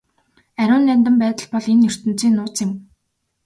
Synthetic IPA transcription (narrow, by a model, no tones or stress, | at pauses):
æɾʲʊːnːænt̪ə̆mpæːt̪ə̆ɮpɔɮenːɵr̥t̪ɘ̆nt͡siːnːʊːt͡sɪ̆m